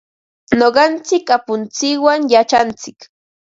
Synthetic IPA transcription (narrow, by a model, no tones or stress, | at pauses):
noɢɑnt͡sɪkapʊnt͡sɪkwaŋjat͡ʃant͡sɪk